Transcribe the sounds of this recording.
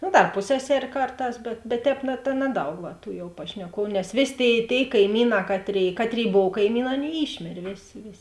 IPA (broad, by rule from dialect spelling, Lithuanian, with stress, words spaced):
nʊ dɐr ˈpʊsʲsʲɛˌsʲɛrʲ ˈkɐrˌtɑːs bʲɛt bʲɛt ˈtʲɛːp nɐ tɐ ˈnɑːˌdɐʊk ʋɐ tuː pɐʃʲnʲɛˈkuɔʋʊ nʲɛs ˈʋʲeːsʲ ˈtʲeːɪ ˈtʲeːɪ kɐɪˈmʲiːˌnɑː ˈkɑːtʲˌrʲeːɪ ˈkɑːtʲˌrʲeːɪ ˈboːw kɐɪˈmʲiːˌnɑː ˈɑːˌnʲeːɪ ˈiːʃʲmʲeːrʲeː ˈʋʲeːˌsʲeː ˈʋʲeːˌsʲeː